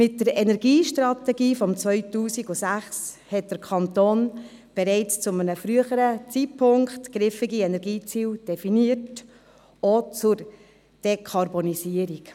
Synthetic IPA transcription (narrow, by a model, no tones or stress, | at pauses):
mɪt̚dəɾɛnɛɾɡiːʃtɾɑtɛɡiːfɔmt͡sʋœʏtuːsiɡʊsæχs | hɛt̚d̥əɾkʰɑntoːn | b̥ɛɾɛɪt͡st͡sʊmənəfɾyəχəɾət͡sitpʰʊŋkχtɡ̥ɾɪfiɡiɛnɛɾɡiːt͡siːld̥ɛfiniət | ot͡sʊɾ | d̥ekʰɑɾbonisiəɾik